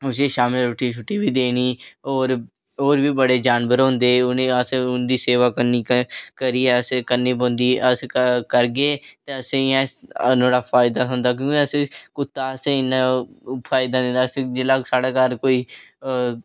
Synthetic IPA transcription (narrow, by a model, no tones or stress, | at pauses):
ʊs̬iːʃaːmɪlɾʊʈːiːt͡ʃʰʊʈːiːbiːd̪eːniːoːɾ | oːɾbiːbəɽeːd͡ʒaːnʋəɾɦõnd̪eːneəseʊnd̪iːseːʋaːkəniːkəɾiːɛːəsekəɾniːbõːnd̪iːʔəskəɾɡeːt̪eəsẽːɛ̃ːnõːɽaːpʰaːɪd̪aːʊ̃nd̪aːk̬jõːkiəsẽːkʊt̪ːaːsẽɪnapʰaːɪd̪aːd̪ẽːnd̪aːsẽd͡ʒelaːsaːɽaːkaːɾkoːiː